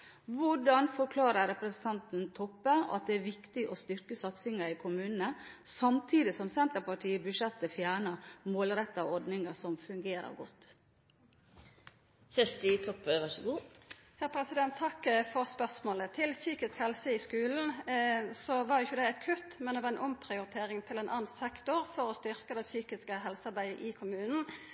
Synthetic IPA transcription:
ʋʊɖɑnfɔɾkʰlɑːɾəɾɛpɾɛsnt̪ʰɑnt̪nt̪ʰɔpːəɑ̰t̪̚d̪ɛæɾʋɪkt̪ɪʔɔst̪ʏɾkəsɑt̪sɪŋəɾɪkʰʊmʉːnnəsɑmt̪ʰiːd̪ɪsɔmsɛnt̪əɾpɑʈʰiːəbʉʂɛt̪ːəfjæːɳəmoːlɾɛt̪ːɑɔɾɖnɪŋəsɔmfʉŋɡeːɾə̰ɾɡɔt̪ː | sɛʂʈɪt̪ʰɔpːəʋɑʂəɡuːhæɾpʰɾɛsɪd̪ɛnt̪ʰːɑkːfɔʁspœʁsmoːlət̪ʰɪlsyːkɪskhɛlsəɪskʉːln̩sɔʋɑɾjʊɪçːəd̪ɛæɪt̪kʰʉt̪mɛnd̪ɛʋɑɾɛnʔɔmpʰɾɪʊɾɪt̪ʰeːɾɪŋt̪ʰɪlɛnʔɑ̰ːnsɛkt̪ʊɾfɔɾɔst̪ʏɾkəd̪ɛsyːkɪskəɦɛlsəɑɾbæɪəʔɪkʰʊmʉːnn̩

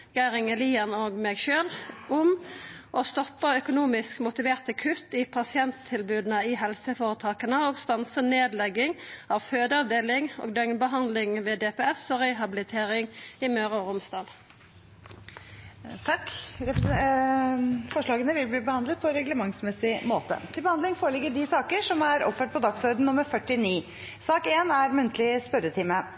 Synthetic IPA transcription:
ɡæʁɪŋəliːənoːɡmɛːɡʃøːlʊmʔɔst̪ɔpːəœkʊnuːmɪskmʊt̪ɪʋeːʁt̪əkʰʉt̪ːɪpʰɑsɪɛnt̪ʰːɪlbʉːd̪nəɪɦɛlsəfoːʁət̪ʰɑːkənəoːɡst̪ɑnsəneːd̪lɛɡːɪŋɑʋføːd̪əɑʋd̪eːlɪŋo̰ːɡd̪œŋbəɦɑnd̪lɪŋʋɛːd̪ɛːpɛːɛfsɔʁɛɦɑbɪlɪt̪ʰeːʁɪŋɪmøːɾəɾʊmsd̪ɑːl | t̪ʰɑkɾɛp | fɔʂɭɑːɡənəʋɪlbliːbəhɑnd̪lət̪̚pʰɔɛɾɛɡləmɑŋsmɛsɪmoːt̪ə̰t̪ʰɪlbəhɑnd̪lɪŋfoːɾəlɪɡəɖɪsɑːkəʂɔmæɾɔ̰pfəʈ̚pʰɔd̪ɑksɔɾd̪n̩nʊmːəɾfœʈːɪniː | sɑːkeːnæɾmʉnt̪ʰəlɪspœɾət̪ʰɪmə

